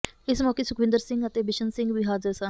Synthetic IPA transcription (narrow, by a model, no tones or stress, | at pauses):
ɪsmɔːkeːsʊkʰʋɪ̃nd̪əɾsɪ̃ŋɡət̪eːbɪʃənsɪ̃ŋɡʋiːɦaːzɪɾsã